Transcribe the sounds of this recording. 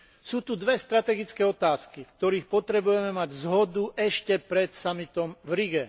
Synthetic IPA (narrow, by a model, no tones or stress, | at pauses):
suːt̪ud̪ʋɛst̪ɾat̪ɛɡit͡skɛːɔt̪aːskifk̚t̪ɔɾiːxpɔt̪ɾɛbujɛmɛmaɟzɦɔd̪uʔɛʃcɛpɾɛt̪samit̪ɔmvɾiɡɛ